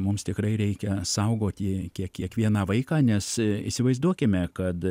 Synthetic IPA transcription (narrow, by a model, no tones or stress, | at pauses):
mʊmst̪ʲɪkɾɐɪɾʲɛɪkʲɛsɐʊɡoːt̪ʲjikʲiɛkkʲiɛkʋʲiɛnɑʋɐɪkɑːnʲɛsḭsʲɪʋɐɪzd̪uɔkʲɪmʲɛkɐt̪